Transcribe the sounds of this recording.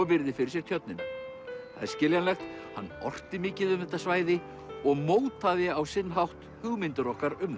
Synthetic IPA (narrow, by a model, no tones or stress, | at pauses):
pɪɾðɪfɪɾɪɾsjɛɾ̥t̪ʰjœt̪nɪn | θa̰ðɛɾscɪljanlɛxt̪hanːɔ̰r̥t̪ɪmɪːcɪðʏmðɛt̪ːasvaːjðɪ | ɔɣmoːwt̪ʰaðɪawsɪnːɦawht̪ | hʏɣmɪnt̪ʏɾɔhkaɾʏm